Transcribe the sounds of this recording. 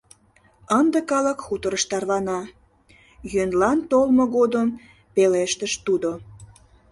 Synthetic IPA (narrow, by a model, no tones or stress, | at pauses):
ənd̪əkɑləkxut̪əɾəʃt̪ɑrlɑnɑ | jønlɑnt̪olmoɣod̪əm | peleʃt̪əʃt̪ud̪o